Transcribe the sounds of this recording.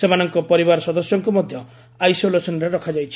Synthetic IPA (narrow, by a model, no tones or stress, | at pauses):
semanɔŋkɔpɔɾibaɾɔsɔd̪ɔsjɔŋkumɔd̪ʱjɔ | ajsolesɔnɾeɾɔkʰad͡ʒajt͡ʃʰi̥